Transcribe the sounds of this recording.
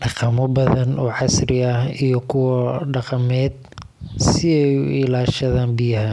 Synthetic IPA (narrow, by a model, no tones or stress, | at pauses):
ɖɑqɑmɔbɐðɐnʔɔːħɑsɾɪɐijɞkʰʊwɐɖɑqɑmɛːd̪̚ | sɪɛjʊ̰ɪlaːʃɐðaːnbɪjɐɦɐ